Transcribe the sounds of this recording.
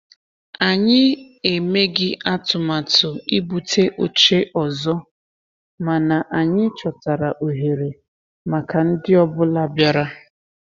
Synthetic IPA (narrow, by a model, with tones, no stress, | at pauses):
a˨ɲɪ˦ | e˨me˦ɡɪ˦ʔa˦tʊ˨ma˨tʊ˨i˦bu˨tʰe˦ʔo˨t͡ʃe˦ʔɔ˨zɔ˦ | ma˨na˨ʔa˨ɲɪ˦t͡ʃɔ˨ta˨ɾa˨ʔo˨ɦe˨ɾe˨ | ma˨ka˨n̩˦dɪ˦ɔ˦bʊ˦la˦bja˦ɾa˦